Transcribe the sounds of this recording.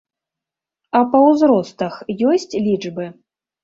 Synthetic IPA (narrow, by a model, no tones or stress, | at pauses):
ɐpɐwzɾɔst̪ɐxjɔsʲt͡sʲlʲid͡ʐbɨ